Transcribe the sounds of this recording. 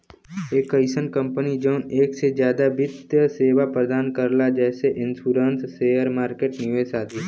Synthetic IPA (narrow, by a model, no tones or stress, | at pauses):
eːkəɪsənkə̃mpənid͡ʒɔʊneːksezjaːd̪aʋɪd̪jəseːʋapɾəd̪aːnkəɾlad͡ʒɛːseʔɪ̃nsuːɾə̃nsːeːəɾmaːɾkeːʈnɪʋesaːd̪i